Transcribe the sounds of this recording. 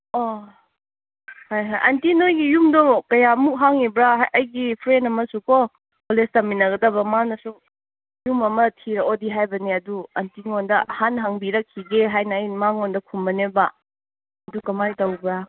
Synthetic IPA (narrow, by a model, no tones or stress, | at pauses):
o | hajɦajʔantinojɡijumdɔkɐjamuk̚ɦaŋibɾaʔɐjɡipʰɾenɐmɐsuko | polestɐminɐɡɐdɐbɐmanɐsu | jumɐmɐtʰiɾɐodiɦajbɐneɐduɐntiŋondɐhanɦaŋbiɾɐkʰːiɡeɦajnɐːjmaŋondɐkʰumbɐnebɐ | ɐdukɐmajtɐwbɾa